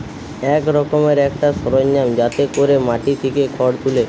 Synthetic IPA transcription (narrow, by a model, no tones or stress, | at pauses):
ɛkɾɔkomeɾɛk̚ʈaʃɔɾoɲjamd͡ʒat̪ekoɾemaʈit̪ʰikekʰɔɽt̪ʰule